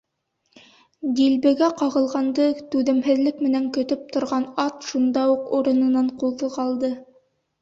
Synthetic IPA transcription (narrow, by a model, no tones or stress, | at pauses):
d̪ilbɘ̆ɡæqɑʁɤ̆lˠʁɑnd̪ɤt̪ʉðɘ̆mɦɘ̆ðlɘkmɘ̆næŋkɵ̆t̪ɵp̚t̪ŏɾʁɑnɑt̪ʃund̪ɑuquɾɤ̆nɤ̆nɑɴqulˠðɤqɑlˠd̪ɤ